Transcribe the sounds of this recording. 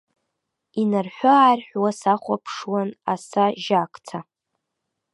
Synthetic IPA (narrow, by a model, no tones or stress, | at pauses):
inarħʷᶣʊːrħʷᶣwasaχʷapʰʂwana̰saʒakʰʼt͡sʰa